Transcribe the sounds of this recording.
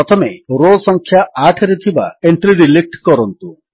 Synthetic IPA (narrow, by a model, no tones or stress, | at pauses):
ɔt̪ʰɔmeɾolsɔŋkʰjaʔaʈʰɾet̪ʰibaeɳʈɾiɾilek̚ʈkɔɾɔnt̪u